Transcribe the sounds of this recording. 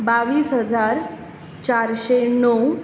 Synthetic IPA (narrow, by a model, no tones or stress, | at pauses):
baʋiːsɦəd͡zaɾ | t͡ɕaɾɕenɔw